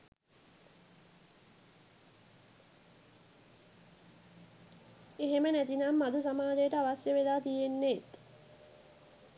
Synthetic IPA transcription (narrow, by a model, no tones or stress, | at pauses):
eɦemənæt̪inamːad̪us̬amaːd͡ʒejəʈəaʋasjəʋelaːt̪ijenːet̪